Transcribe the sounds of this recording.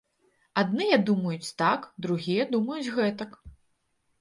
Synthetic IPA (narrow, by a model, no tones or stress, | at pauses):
ad̪nɨjɛd̪umɐjut͡sʲt̪akd̪ɾuɣʲijɛd̪umɐjut͡sʲɣɛt̪ɐk